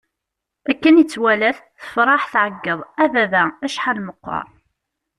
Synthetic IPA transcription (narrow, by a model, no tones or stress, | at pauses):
ækːənjət͡sːwælæθθə̥fɾˤɑħθʕəɡːəðˤævæðææʃħalməqːɑ̰ɾˤ